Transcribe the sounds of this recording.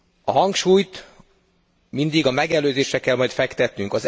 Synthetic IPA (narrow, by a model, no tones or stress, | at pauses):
ɒɦɒŋkʃuːjt̪ | mind̪iɡɒmɛɡɛløːzeːʃɛkːɛlmɒjt̪fɛkt̪ɛt̪nyŋkɒz